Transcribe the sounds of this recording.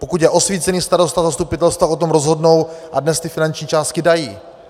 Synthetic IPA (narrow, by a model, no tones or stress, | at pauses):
po̞kut̪jɛʔo̞sviːt͡sɛniːst̪aɾo̞st̪azast̪upɪt̪ɛlst̪vao̞t̪̬omɾozɦo̞dno̞wʔadnɛst̪ɪfɪnant͡ʃɲiːt͡ʃaːst̪̚kɪdajiː